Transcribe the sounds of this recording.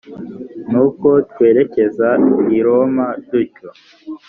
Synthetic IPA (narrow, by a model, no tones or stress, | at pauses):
nuko̞twe̞ːɾe̞ce̞zaiiɾo̞maduco